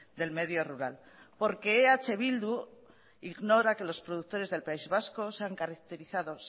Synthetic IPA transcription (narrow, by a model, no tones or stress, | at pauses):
d̪e̞lme̞ðjo̞ruɾa̰l | po̞ɾke̞ːat͡ʃe̞βild̪u | iɣno̞ɾake̞lo̞spɾo̞ðukt̪oɾe̞zðelpaizβasko̞seaŋkaɾak̚t̪e̞ɾiθaðo̞s